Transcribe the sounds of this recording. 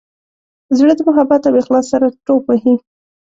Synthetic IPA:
zɽəd̪əmʊɦabat̪awexlɑsːaɾaʈopahi

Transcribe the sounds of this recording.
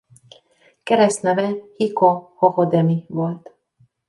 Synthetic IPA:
kɛɾɛst̪nɛvɛhikohohod̪ɛmivolt̪

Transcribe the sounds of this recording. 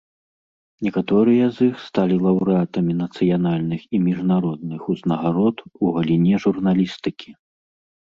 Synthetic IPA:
nʲɛkat̪ɔɾɨjɐzixst̪alʲilˠɐwɾɨat̪ɐmʲinɐt̪sɨjanalʲnɨximʲiʐnaɾɔd̪̚nɨxuznɐɣaɾɔt̪uɣɐlʲinʲɛʐurnalʲist̪ɨkʲi̥

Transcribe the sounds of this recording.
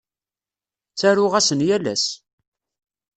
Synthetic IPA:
t͡sæɾʊʁæsənjælæ̰s

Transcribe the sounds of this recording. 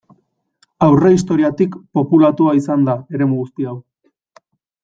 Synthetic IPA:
awre̞is̬t̪o̞ɾiat̪ikpo̞pulat̪uaisand̪ae̞ɾe̞muɣust̪iaw

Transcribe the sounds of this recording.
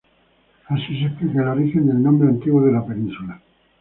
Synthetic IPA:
asis̬ekɾekeloɾixend̪elnõmbɾeant̪iɣwoðelapenĩnsula

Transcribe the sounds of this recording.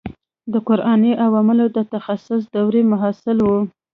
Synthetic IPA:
d̪əkʊɾʔɑneʔawɑmɪlod̪ət̪axasʊs̬d̪awɾemʊɦasɪlwu

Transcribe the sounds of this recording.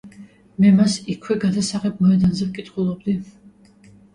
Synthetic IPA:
mɛmasikʰwɛɡad̪asaʁɛb̚mɔɛd̪anzɛvkʼit̪ʼχulˠɔb̚d̪i

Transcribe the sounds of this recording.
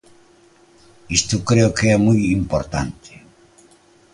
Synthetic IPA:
ist̪okɾeokeamujimpoɾt̪a̰nt̪ʰe̥

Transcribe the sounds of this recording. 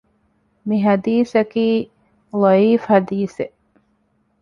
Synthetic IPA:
miɦɐd̪iːsɐkiː | lˠɐiːfhɐd̪iːse

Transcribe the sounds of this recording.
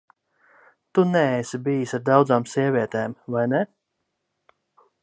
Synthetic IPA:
t̪unɛɛsibijisʲaɾd̪ɑwd̪zaːmsʲiɛvʲiɛt̪eːmvajnɛ

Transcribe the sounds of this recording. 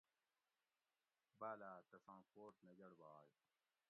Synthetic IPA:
baːlaːt̪ɐsãːkoːʈnɐd͡ʑɐɽbaːj

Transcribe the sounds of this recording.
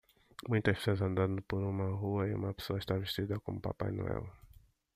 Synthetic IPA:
mũj̃t̪ɐʃpseɐzɐ̃nd̪ɐ̃nd̪ʊpoɾũmɐɦuɐiṵ̃mɐpe̥soɐiʃt̪aveʃt͡ʃid̪ɐkõmʊpa̰pa̰jnṵɛ̰w

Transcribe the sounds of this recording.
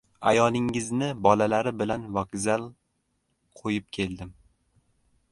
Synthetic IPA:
a̰jɒlˠɪŋɪznɪbɒlalaɾɪbɪlanvaɡzalˠ | qʰojɪp̚kʲʰe̞lˠd̪ɪm

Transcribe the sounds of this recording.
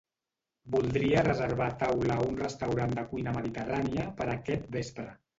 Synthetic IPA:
bulˠd̪ɾiərəzəɾβat̪awlaunrəst̪əwɾand̪əkujnəməðit̪əraniəpəɾəkɛt̪̚bespɾə

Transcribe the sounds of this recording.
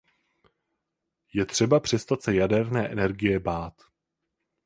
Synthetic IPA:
jɛt̪r̝̥ɛbapr̝̥ɛst̪at̪sɛjadɛɾnɛːʔɛ̰nɛɾɡɪjɛbaːt̪

